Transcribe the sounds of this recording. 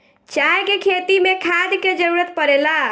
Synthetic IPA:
t͡ʃajkekʰet̪imekʰad̪ked͡ʒəɾuɾət̪̚pəɾela

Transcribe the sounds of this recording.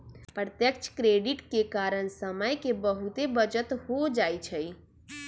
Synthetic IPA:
pɾət̪jək̚t͡ʃʰkɾeːɖɪʈkekaːɾəɽ̃səməjkebəɦut̪ebəd͡ʒət̪hod͡ʒaːjt͡ʃʰəi

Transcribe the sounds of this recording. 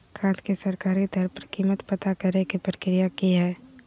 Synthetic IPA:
kʰãːt̪kesɐɾkaːɾit̪əɾpəɾkiːmət̪pət̪akɐɾekipɾəkɾijakiɦɛː

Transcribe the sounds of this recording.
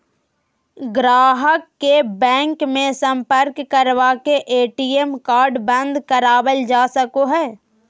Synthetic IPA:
ɡɾaːɦəkːebɛ̃ːŋkmẽsə̃mpəɾkːəɾʋakeʔeːʈiemkaːɾɖbə̃nd̪kəɾaːbəld͡ʒaːsəkoɦɛː

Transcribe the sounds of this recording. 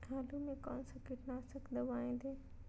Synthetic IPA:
aːlumẽkɔːnsɐkɪʈnasɐɡʰʱd̪əʋaːĩːd̪eː

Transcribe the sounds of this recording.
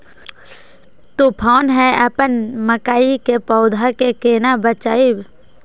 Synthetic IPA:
t̪upʰaːnɦɛəpənməkaːikepɔːʊd̪ʱakekeːnabət͡ʃaːib

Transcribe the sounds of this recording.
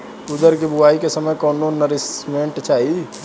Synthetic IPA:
ud̪əɾkebuaikesəməjkɔnonəɾismeɳʈt͡ʃaɦi

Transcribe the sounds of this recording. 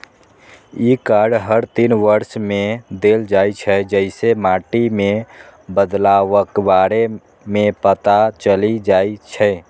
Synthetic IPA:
ikaɖɦəɾt̪inʋəɾʃmẽd̪eld͡ʒait͡ʃʰɛd͡ʒəɪsemaʈimẽbəd̪laʋəkbaɾe | mẽpət̪at͡ʃəlid͡ʒait͡ʃʰɛ

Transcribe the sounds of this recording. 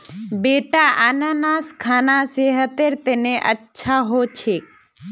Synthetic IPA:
beːʈaʔananaːskʰaːnaseɦət̪eɾt̪enẽʔətːʃʰaɦot͡ʃʰe

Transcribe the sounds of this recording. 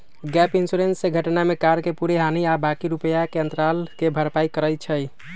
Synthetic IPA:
ɡɛpinsuɾensːeɡʱəʈnamekaɾkepuɾeɦaniabakiɾupəjakeə̃nt̪ɾalkebʱəɾpaikəɾəjt͡ʃʰəj

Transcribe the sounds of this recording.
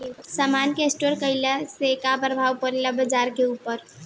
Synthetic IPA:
samankesʈoɾkəɪlɛsekabəɾbʱawkəɾeləbəd͡ʒaɾkeupəɾ

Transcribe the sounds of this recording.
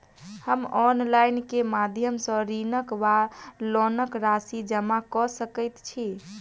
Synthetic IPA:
həmɔnlajnkemad̪ʱjəmsə̃ɾinəkʋalɔnəkɾasid͡ʒəmakɔsəkət̪t͡ʃʰi

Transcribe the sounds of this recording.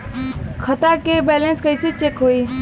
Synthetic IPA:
kʰət̪akebɛːlenskəiset͡ʃeːkɦoːiː

